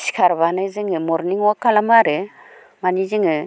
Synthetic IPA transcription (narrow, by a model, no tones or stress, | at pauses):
si̥kʰaɾβanɯzɯŋɯmɔɾniŋwakalamaɾɯ | manizɯŋɯ